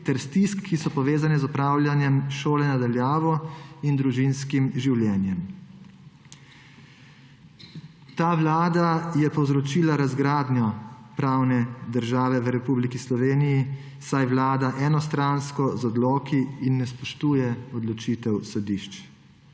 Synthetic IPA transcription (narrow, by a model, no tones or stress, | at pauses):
t̪ɛɾst̪iskʰːisɔpɔʋeːzanɛzɔpɾaːwlʲjanjɛmʃoːlɛnad̪aljaːʋɔind̪ɾuʒinskimʒiwljɛːnjɛm | t̪aːʋlaːd̪ajɛpɔwzɾɔt͡ʃiːlaɾazɡɾaːd̪njɔpɾaːwnɛd̪əɾʒaːʋɛʋəɾɛpublikislɔʋeːniji | sajʋlaːd̪aʔɛnɔst̪ɾanskɔzɔd̪lɔːkiːnːɛspɔʃt̪uːjɛɔd̪lɔt͡ʃit̪ɛwsɔd̪iːʃt͡ʃ